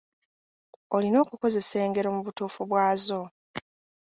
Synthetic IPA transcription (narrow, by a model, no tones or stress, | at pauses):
olino̞ːkuko̞ze̞se̞ːŋɡe̞ɾo̞muβutuːfuβwaːzo̞